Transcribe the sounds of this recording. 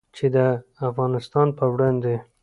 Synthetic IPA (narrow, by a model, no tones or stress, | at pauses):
t͡ʃed̪əafɣɑnɪst̪ɑnpəwɽɑnd̪e